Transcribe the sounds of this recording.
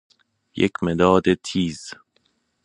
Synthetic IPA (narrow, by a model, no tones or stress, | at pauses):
jḛcʰmed̪ɒːd̪et̪ʰiːz